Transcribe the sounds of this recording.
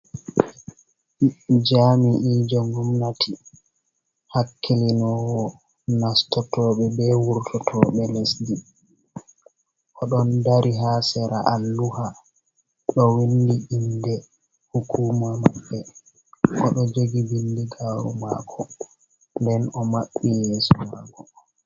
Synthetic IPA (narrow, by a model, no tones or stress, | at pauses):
d͡ʒamiʔiːd͡ʒɔŋɡumnatʰi | hakʰːelinɔwɔ | nastɔtɔːɓɛbɛwuɾtʰɔtʰɔːɓɛlesdi | ʔɔɗɔndaɾiɦasɛɾa̰ʔalːuha | ɗɔwindiʔindɛ | hukuːmamaɓːɛ | ʔɔɗɔd͡ʒoɡiwindiɡaɾṵma̰kʰɔ | ndɛnɔmaɓːijeːsɔɾa̰ɡɔ